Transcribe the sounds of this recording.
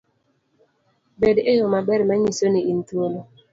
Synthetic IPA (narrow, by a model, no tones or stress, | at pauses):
bedejomabɛɾmaɲisoniin̩tuolo